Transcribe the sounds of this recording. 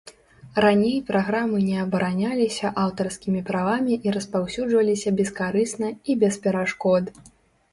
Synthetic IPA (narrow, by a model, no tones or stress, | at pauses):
ranʲejpɾaɣɾamɨnʲɛɐbɐɾʔanʲalʲisʲɐʔawt̪ɐrskʲimʲipɾavamʲiʔiɾɐspawsʲud͡ʐvɐlʲisʲɐbʲɛskaɾɨsnɐibʲɛspʲɛɾaʂkɔd̪